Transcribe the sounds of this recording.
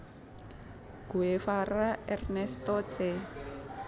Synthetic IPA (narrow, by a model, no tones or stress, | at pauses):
ɡ̥uefaɾaɛrnɛst̪ɔt͡sɛ